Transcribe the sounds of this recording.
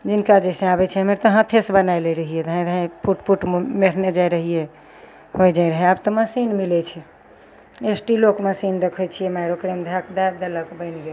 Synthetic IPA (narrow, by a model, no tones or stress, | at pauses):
d͡ʒinkad͡ʒɛsẽabɛt͡ʃʰɛɦəmeɾt̪əɦãt̪ʰesbənajleɾəɦijed̪əɦɛ̃d̪əɦãpuʈpuʈmeɾ̤ned͡ʒajɾəɦie | hojd͡ʒaiɾəɦɛabt̪ɔməsinmilɛt͡ʃʰɛ | esʈilokməsind̪ekʰɔt͡ʃʰijemaɪɾokɾemd̪ʱakd̪ad̪ələkbəɪnɡel